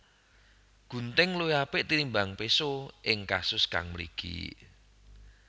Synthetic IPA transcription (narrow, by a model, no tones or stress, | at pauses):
ɡ̥ṳnt̪ɪŋlujapɪʔt̪iɾimbaŋpesoʔɪŋkasʊska̰ŋməɾḭɡ̥ḭ